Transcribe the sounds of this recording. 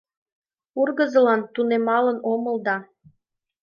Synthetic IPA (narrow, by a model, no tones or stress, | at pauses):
urɣə̆zɤ̆lɑnt̪unemɑlənomə̆ld̪ɑ